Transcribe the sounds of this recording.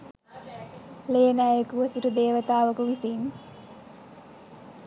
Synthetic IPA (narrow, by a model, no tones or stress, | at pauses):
leːnaːjekuʋəsuʈud̪eːʋət̪aːʋəkuʋisin